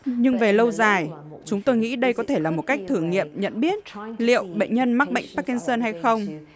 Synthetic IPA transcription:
ɲɨ˧ŋve˨˩lə˧wzaː˨˩jt͡ɕʊ˨˦ŋ͡mt̪o˧jŋḭ˧˥ɗə˧jkɔ˨˦t̪ʰe˧˩laː˨˩mo˨˩t̚ka˦˥jk̚t̪ʰɨ˧˩əŋːḭ˧˨əmɲə̰˧˨nɓi˦˥ət̚lḭ˧˨əwɓə̰˧˨ŋ̟ɲə˧nma˦˥k̚ɓə̰˧˨jŋ̟paː˦˥kːi˧nsəː˧nɦa˧jxə˧wŋ͡m

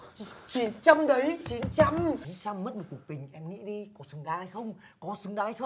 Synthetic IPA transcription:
t͡ɕi˨˦nt͡ɕa˧mɗə˨˦jt͡ɕi˨˦nt͡ɕa˧m˨˦nt͡ɕa˧mːə˦˥t̚mə˨˩ku˨˩t̪ï˨˩ŋ̟ʔɛ˧mŋḭ˧˥ɗi˧kɔ˨˦sɨ˨˦ŋɗaː˧ha˨˧jxə˧wŋ͡m | kɔ˨˦sɨ˨˦ŋɗaː˧hjxə˧

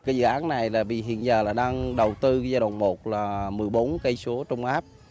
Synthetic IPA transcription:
kaː˨˦zɨ̰˧˨ʔaː˨˦nːa˨˩jlaː˨˩vḭ˧˨ɦḭ˧˨ənzəː˨˩laː˨˩ɗaː˧ŋɗə˨˩wt̪ɨ˧˦zaː˧jɗwa̰˧˨˩wŋ͡mmo˨˩t̚laː˨˩mɨ˨˩əjɓo˨˦nkə˧jsu˨˦ət͡ɕə˧wŋ͡mʔaː˦˥p̚

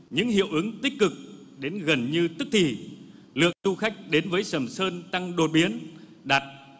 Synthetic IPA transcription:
ɲɨ̰˧˥ŋɦḭ˧˨əwʔɨ˨˦əŋt̪ï˦˥k̟̚kɨ˨˩k̚ɗe˨˦nɣə˨˩nɲɨ˧t̪ɨ˦˥k̚t̪ʰi˨˩ | lɨ̰˨ək̚tu˧xa˦˥jk̟̚ɗe˨˦nvəː˨˦jsə˧˩msəː˧nt̪a˧ŋɗo˨˩t̚ɓi˨˦ən | ɗa˨˩t̚

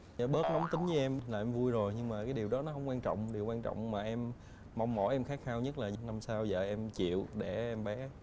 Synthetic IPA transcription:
a˨˩˦ɓəː˦˥t̚nɔ˨˦wŋ͡mt̪ï˨˦ŋ̟əː˨˦ʔɛ˧mlaː˨˩ʔɛ˧mvu˧jzo˨˩jɲɨ˧ŋmaː˨˩kaː˨˦jɗi˨˩əwɗɔ˨˦nɔ˨˦ɦə˧wŋ͡mkwaː˧nt͡ɕɔ̰˧˨wŋ͡mɗi˨˩wkwaː˧nt͡ɕɔ̰˧˨wŋ͡mmaː˨˩ʔɛ˧m | ma˧wŋ͡mmɔ̰˧˩jʔɛ˧mxaː˦˥k̚xaː˧wɲə˦˥t̚laː˨˩ɲ˨na˧msaː˧wzə̰ː˨˩ʔɛ˧mt͡ɕḭ˧˨əwɗe˧˩ʔɛ˧mɓɛ˨˦

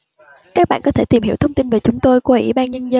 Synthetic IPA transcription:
kaː˦˥k̚ɓa̰ː˧˨kɔ˨˦t̪ʰe˧˩t̪i˨˩mhi˧˥wt̪ʰwŋ͡mt̪i˧nve˨˩t͡ɕʊ˨˦ŋ͡mt̪o˧jkwʔḭ˧˥ɓaː˧nɲə˧nzə˧

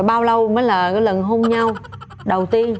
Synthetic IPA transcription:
jɓaː˧wlə˧wməː˨˦jlaː˨˩kaː˨˦jlə˨˩nɦo˧mɲa˧w | ɗə˨˩wt̪i˧ən

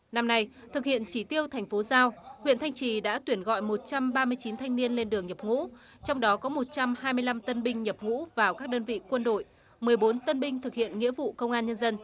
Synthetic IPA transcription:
na˧mna˧j | t̪ʰɨ˨˩k̚hḭ˧˨ənt͡ɕi˧˩t̪i˧əwt̪ʰa˨˩jŋ̟fo˨˦zaː˧whwḭ˧˨nt̪ʰa˧jŋ̟t͡ɕi˨˩ɗa̰ː˧˥t̪wi˧˩ənɣɔ̰˧˨jmo˨˩t̚t͡ɕa˧mɓaː˧mɨ˧əjt͡ɕi˨˦nt̪ʰa˧jŋni˧ənle˧nɗɨ˨˩əŋɲə˨˩p̚ŋṵ˧˥ | t͡ɕɔ˧wŋ͡mɗɔ˨˦kɔ˨˦mo˨˩t̚t͡ɕa˧mhaː˧jmɨ˧əjla˧mt̪ə˧nɓï˧ŋ̟ɲə˨˩p̚ŋṵ˧˥vaː˨˩wkaː˦˥k̚ɗəː˧nvḭ˧˨kwə˧nɗo̰˧˨j | mɨ˨˩əjɓo˨˦nt̪ə˧nɓï˧ŋ̟t̪ʰɨ˨˩k̚hḭ˧˨ənŋḭ˧˥əvṵ˧˨kə˧wŋ͡mʔaː˧nɲə˧nzə˧n

